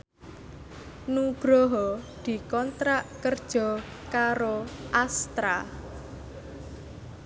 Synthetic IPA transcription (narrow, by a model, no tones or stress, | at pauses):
nuɡ̥ɾɔɦɔd̪̥i̤kɔnt̪ɾaʔkərd̥ʒ̥ɔ̤ | kaɾoʔast̪ɾa̰